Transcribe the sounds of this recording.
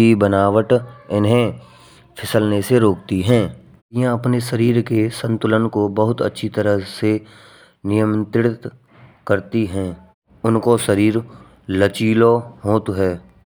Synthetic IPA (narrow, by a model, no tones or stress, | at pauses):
ibənaːʋəʈɪnɦẽ | pʰɪsəlneseɾoːk̚t̪iɦɛ̃ː | jãɐpneʃəɾiːɾkesə̃nt̪ʊlənkobəɦʊt̪ə̰tːʃʰit̪əɾəɦse | nɪjəmt̪ɪɽɪt̪ | kəɾt̪iɦɛ̃ː | ʊnkoʃəɾiːɾ | lət͡ʃiːloɦoːt̪ɦɛː